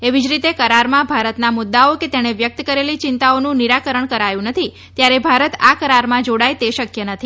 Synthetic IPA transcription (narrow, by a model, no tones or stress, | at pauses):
eʋid͡ʒɾit̪ekəɾaɾmãbʱaɾət̪namʊd̪ːaoket̪eɽ̃eʋjək̚t̪əkəɾelit͡ʃɪnt̪aonũniɾakəɾəɳkəɾajũnət̪ʰi | t̪jaɾebʱaɾət̪akəɾaɾmãd͡ʒoɽajt̪eʃəkjənət̪ʰi